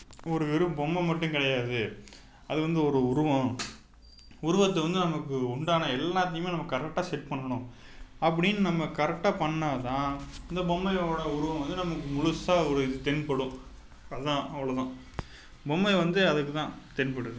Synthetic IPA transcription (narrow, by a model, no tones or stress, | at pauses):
ɔɾɯʋɪɾɯbɔmːɐmɐʈːɯ̃ŋkɪɽɐjaːðɯ | ɐðɯʋɐnd̪ɯɔɾɯʊɾɯʋɐ̃ | ʊɾʊʋɐt̪ːɐʋɐnd̪ɯnɐmɐkːɯʊɳɖaːnɐɛlːaːt̪̬ːɐjɯmeːnɐmːɐkɐɾɛk̚ʈːaːsɛʈpɐɳːɐɳʊ̃ | ɐpːɐɽɪnːnɐmːɐkɐɾɛk̚ʈːaːpɐɳːat̪ãːɪnd̪ɐbɔmːɐɪoːɽɐʊɾʊʋɐ̃ʋɐnd̪ɯnɐmɐkːɯmʊɻʊsaːɔɾɯɪðɯt̪ɛnpɐɽʊ̃ | ɐðɯt̪ãːɐʋɐɭot̪ãː | bɔmbɐɪʋɐnd̪ɯɐðɯkːɯt̪ãːt̪ɛnpɐɽɯðɯ